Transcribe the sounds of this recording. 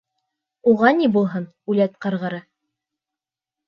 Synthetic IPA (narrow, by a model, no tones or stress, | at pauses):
uʁɑnibulˠɦɤn | ʉlæt̪̚qɤ̆ɾʁɤ̆ɾɤ